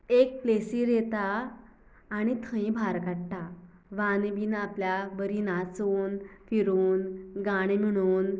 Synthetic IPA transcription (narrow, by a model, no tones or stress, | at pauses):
ek̚plesiːɾet̪aː | ɽ̃it̪ʰə̃ĩbʱaɾkaɽʈ̪a | ʋanbiːnapljabəɾiːnat͡soːnfiɾuːnɡaɽ̃em̤əɽ̃uːn